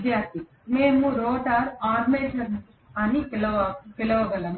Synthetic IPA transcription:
d̪jaːɾt̪i | meːmuɾoːʈaːɾaːɾmeːʃɐn | ɐnipilɐʋɐpilɐʋɐɡɐlɐm

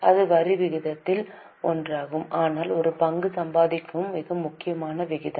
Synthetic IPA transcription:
ɐðɯʋɐɾɪʋɪɣɪðɐt̪ːɪl | ɔndraːɣɯmʔaːnaːlɔɾɯpɐŋɡɯsɐmbaːðɪkːɐmːɪɣɐmːʊkːɪjɐmaːnɐʋɪɣɪðɐ

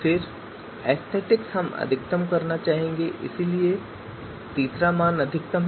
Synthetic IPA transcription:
fɪɾ | ɛːst̪ʰeːʈɪksɦɐmɐ̰d̪ʱɪk̚t̪əmkɐɾnat͡ʃaːɦẽːŋɡeʔɪ̰silie | t̪iːsɾamãːnɐd̪ʱɪk̚t̪əm

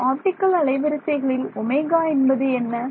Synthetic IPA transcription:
aːʈ̪ɪkːɐlɐɭɐɪʋɐɾɯsɐɪɣɐɭɪlɔmeːɣaːɛnbɐðɯɛnːɐ

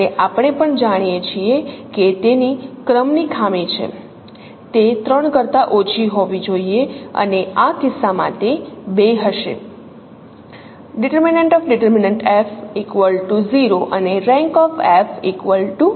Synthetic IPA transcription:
eʔapɳ̃epəɳd͡ʒaɽ̃ijet͡ʃʰieket̪enikɾəmnikʰamit͡ʃʰḛ | t̪et̪ɾəɳkəɾt̪aʔot͡ʃʰiɦoʋid͡ʒoieə̰neakɪsːamã̰t̪ebeɦəʃḛ | ɖɪʈəɾmineɳʈɔfɖɪʈəɾmineɳʈefikʋəlʈuziɾoʔəneɾɛ̃ŋkɔfefikʋəlʈu

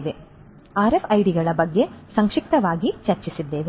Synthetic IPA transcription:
ʋe | aːɾefɐjɽiɡɐɭɐbɐɡːe̞sɐŋkʂik̚t̪ɐʋaːɡit͡ʃɐɾt͡ʃisid̪ːeːʋe

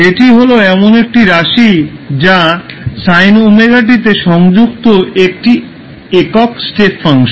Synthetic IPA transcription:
eʈiɦoloɛmonek̚ʈiɾaʃid͡ʑasajnomeɡaʈ̬it̪eʃɔŋd͡ʑuk̚t̪oek̚ʈi | ekɔksʈepʰːaŋʃ

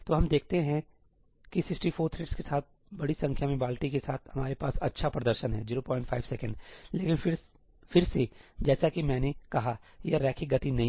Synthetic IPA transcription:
t̪oːɦɐmd̪eːk̚ʰt̪eɦɛ̃ | kisɪksʈifʰoːɾt̪ʰɾɪʈskesaːt̪̚ | bɐɽisɐ̃ŋkʰjamẽbaːlʈikesaːt̪ʰhɐmaːɾepaːsɐ̰tːʃʰapɾɐd̪əɾʃənɦɛ̰d͡ʒiːɾoːpɔːɪ̃ɳʈfʰaːɪbsɛːkə̃ɳɖleːkɪnfɪɾ | fɪɾsed͡ʒɛːsakimɛ̃ːnekɐɦajaɾɛːkʰiɡɐt̪inɐɦĩ

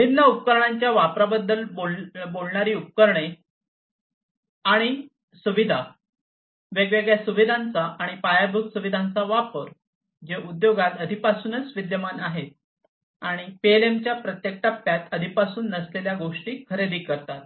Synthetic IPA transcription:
binːəup̚kəɾɳaɲt͡ɕjaʋapɾabəd̪ːəlbobolɳaɾiːup̚kəɾɳe | aɽ̃i | suʋid̪ʱa | ʋeɡʋeɡɭjasuʋid̪ʱãnt͡saʔaɽ̃ipajabʱuksuʋid̪ʱant͡saʋapəɾ | d͡ʑeʔud̪joɡat̪əd̪ʱipasuːnət͡sʋid̪jəmanaɦet̪̚ | aɽ̃ipelemt͡ɕjapɾət̪jek̚ʈəpːjat̪əd̪ʱipasuːnːəsleljaɡoʂʈiːkʰəɾed̪ʱiːkəɾt̪at̪̚

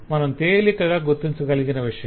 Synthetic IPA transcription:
mɐnɐmt̪eːlikɐɣaːɡut̪ːiɲt͡ʃukɐliɡinɐʋiʂɐjɐ

